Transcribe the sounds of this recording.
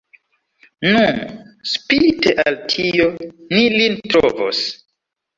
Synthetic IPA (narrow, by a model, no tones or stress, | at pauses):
nunspiteʔaltʰiio̞nilintɾo̰vo̰s